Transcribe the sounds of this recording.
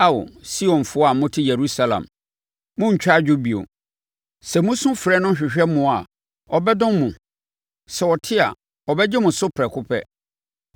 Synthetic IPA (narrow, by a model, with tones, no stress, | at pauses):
a˦wo̰˨si˦ɔ̃˨nfʊ˦a˨˦mʊ̃˦tʰɪ˦jɛ˨ɾu˦sa˦lã̰˨m | mʊ̃˦ɲ̩˨t͡ɕᶣa˦d͡ʑᶣʊ˦bi˨o̰˨ | sɛ˨mũ˦sʊ̃˦fɾɛ˦nʊ̃˦ɕᶣɪ˨ɕᶣɛ˦mʊ̃˨˦a˨ | ɔ˨bɛ˦dʊ̃˦mmũ˨ | sɛ˨ɔ˨tʰɪ˦a̰˨ | ɔ˨bɛ˦d͡ʑɛ˦mʊ̃˨sʊ˦pʰɾɛ˨kʰʊ˦pʰɛ˦